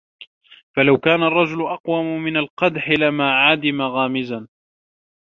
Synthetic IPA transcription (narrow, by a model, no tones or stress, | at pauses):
falawkaːnarˤːɑd͡ʒʊlʊʔɑqwamʊmɪnalqɑd̪ħɪlamaːʕad̪ɪmaɣaːmɪzan